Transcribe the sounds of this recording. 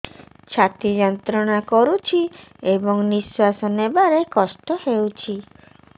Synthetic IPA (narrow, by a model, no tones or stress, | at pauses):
t͡ʃʰat̪id͡ʒɔnt̪ɾɔɽ̃akɔɾut͡ʃʰiebɔŋniswasɔnebaɾekɔsʈɔhewt͡ʃʰi